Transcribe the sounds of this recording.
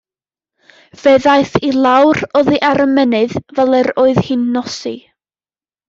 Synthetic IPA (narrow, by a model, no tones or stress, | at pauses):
v̥eðajθilˠawrɔðiʔaɾəmɛnɨðvɛlˠɛɾoːɨðhɨnːɔsḭ